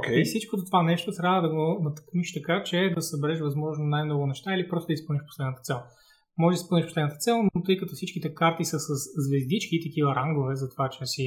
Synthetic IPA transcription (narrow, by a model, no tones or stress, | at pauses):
kʲɛifsit͡ʃkod̪ot̪ovanɛʃt̪ost̪ɾavəd̪ɐɡonɐt̪ɐ̥kniʃt̪ɐkat͡ʃɛd̪ɐsɐbɛɾɛʃvɐzmɔʒnonajmnɔɡʊnɛʃt̪ailipɾɔst̪od̪ɐispɤlˠniʃfpo̥slɛd̪nət̪ə̥t̪ɛlˠ | mɔʒɛʒd̪əispɤlˠniʃpslɛd̪nət̪ət̪sɛlˠnot̪ɤjkɐt̪ɔfsit͡ʃkit̪ɛkaɾt̪isɐsɐszvɛzd̪it͡ʃkit̪ɐk̟ivəɾaŋɡovɛzɐt̪ovat͡ʃɛsi